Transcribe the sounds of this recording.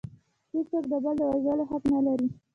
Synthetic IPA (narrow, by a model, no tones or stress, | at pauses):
hekt͡sok̚d̪əbəld̪əwazəloɦaknalaɾi